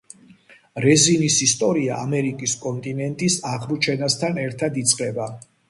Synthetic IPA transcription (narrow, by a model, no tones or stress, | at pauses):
ɾɛzinisist̪ʼɔɾia̰ʔamɛɾikʼiskʼɔnt̪ʼinɛnt̪ʼisaʁmut͡ʃʰɛnast̪ʰanɛɾt̪ʰad̪it̪sʼqʼɛba